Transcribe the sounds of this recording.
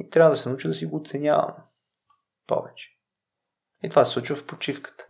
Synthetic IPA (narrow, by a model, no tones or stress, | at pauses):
it̪ɾʲavəd̪ɐsɛnəut͡ʃid̪ɐsiɡoːt̪sɛnʲja̰və̰m | pɔ̰vɛt͡ʃɛ̥ | it̪ovasɛsˠut͡ʃvəfpot͡ʃifkə̥t̪ə̥